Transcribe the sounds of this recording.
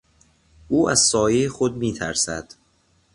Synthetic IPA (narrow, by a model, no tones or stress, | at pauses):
ʔuːæz̥sɒːjejexod̪̚miːt̪ʰæɾsæd̪̥